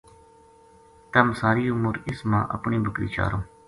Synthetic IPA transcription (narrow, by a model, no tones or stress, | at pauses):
t̪əmsaːɾiːʊmuːɾɪsmã̰ːʔə̰pɳiːbəkɾḭːt͡ʃa̰ːɾõː